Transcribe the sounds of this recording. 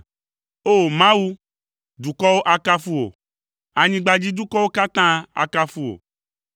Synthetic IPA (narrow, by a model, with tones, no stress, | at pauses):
o˦˨mã˦wu˦ | du˨kɔ˦wo˦ʔa˦ka˦fu˦wo̰˨ | a˨ɲĩ˦ɡ͡ba˨d͡ʑi˦du˦kɔ˦wo˦ka˦t̪ã˦a̰˨ka˦fu˦o̰˨